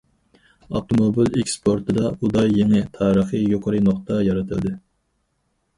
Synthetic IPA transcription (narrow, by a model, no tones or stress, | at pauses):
ɑ̰t̪omobɨlekʲspʰoɾt̪ʰɨd̪ɑud̪ɑjːeŋɨt̪ʰɑːɾəχɨjoqʰəɾɨnoχt̪ɑjɑɾɨt̪ʰɨld̪ɪ